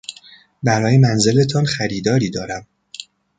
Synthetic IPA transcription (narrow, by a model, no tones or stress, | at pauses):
bæɾɒːjemænze̞le̞t̪ʰɒnxæɾiːd̪ɒːɾiːd̪ɒːɾæm